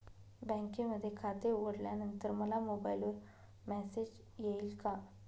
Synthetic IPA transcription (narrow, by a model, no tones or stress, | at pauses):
bɛ̃ŋkeməd̪ʱːjekʰat̪euɡəɽljanənt̪əɾməlamobajilʋəɾ | mɛsed͡ʑ | jeilka